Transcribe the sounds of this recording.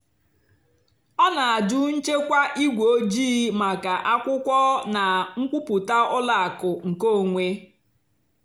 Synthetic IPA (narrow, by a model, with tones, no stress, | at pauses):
ɔ˦na˨a˨dʊ˦n̩˦t͡ʃe˦kʷa˦ʔi˦ɡʷo˨o˦d͡ʒiː˦ma˨ka˨ʔa˦kʷʊ˦kʷɔ˦na˨ŋ̩˦kʷu˦pu˨ta˦ɔ˦la˨a˨kʊ˨ŋ̩˨ko˦˨ŋʷe˦